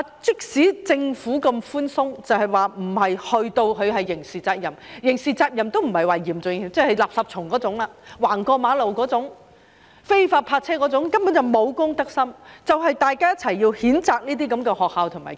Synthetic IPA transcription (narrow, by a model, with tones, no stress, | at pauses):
t͡sɪ˥k̚siː˨˥t͡sɪ˧ŋfuː˨˥kɐ˧mfuː˥nsʊ˥ŋt͡sɐ˨whɐ˨jwaː˨m̩˨˩hɐ˨jhɵ˧ɥt̪o˧wkʰɵ˨˧ɥhɐ˨jːɪ˨˩ŋsiː˨˩t͡saː˧k̚jɐ˨˩mjɪ˨˩ŋsiː˨t͡saː˧k̚jɐ˨˩mt̪o˥wm̩˨˩hɐ˨˩jwaː˨˩jiː˨˩mt͡sʊ˨˧ŋ˨˩t͡sɛː˥hɐ˨jlaː˨p̚sɐ˨p̚t͡ʃʰʊ˨˩ŋkɔː˨˥t͡sʊ˨˥ŋlaː˧waː˨˩ŋkɔː˧maː˨˧˥lo˨˩wkɔː˨˥t͡sʊ˨˥ŋ | fe˥jfaː˧t̚pʰaː˧t̚t͡sʰɛː˥kɔː˨˥t͡sʊ˨˥ŋkɐ˥mpu˨˥nt͡sɐ˨˩wmo˨˧wkʊ˥ŋt̪ɐ˥k̚sɐ˥mt͡sɐ˨whɐ˨jt̪aː˨jkaː˥jɐ˥t̚t͡sʰɐ˨˩jːiː˧whiː˨˥nt͡saː˨˧k̚niː˥t̪̬iː˥k̬ɐ˨˥mkɛː˧hɔː˨k̚haː˨wt̪ʰʊ˨˩ŋma̰ː˨˩